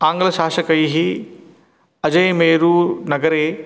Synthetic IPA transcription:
aːŋɡɐlɐʃaːʃɐkɐjɦi | ɐd͡ʒɐjmeːɾunɐɡɐɾeː

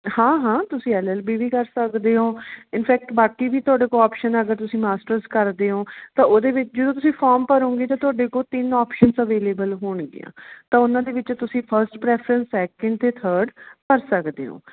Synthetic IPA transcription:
hãːɦãːt̪ʊsĩːɛːlɛːlbiːʋiːkəɾsəkd̪eːɦoːɪnpʰɛːk̚ʈbaːkiːbiːt̪ʊaːɖeːkoːɔːpʃənəɡəɾt̪ʊsĩːmaːsʈəɾzkəɾd̪eːɦoːt̪ãːʔoːd̪eːʋɪt͡ʃd͡ʒəd̪õːt̪̬ʊsĩːpʰaːɾmpəɾõːŋɡeːt̪ãːt̪ʊaːɖeːkoːt̪ɪnɔːpʃənsəʋeːleːbəlɦoːɳɡɪ̰ã̰ːt̪ãːʊnãːd̪eːʋɪt͡ʃt̪ʊsĩːpʰəɾsʈpɾɛːpʰɾə̃nsɛːkə̃ɳɖ̚t̪eːt̪ʰəːɾɖkəɾsəkd̪ḛːɦõ̰ː

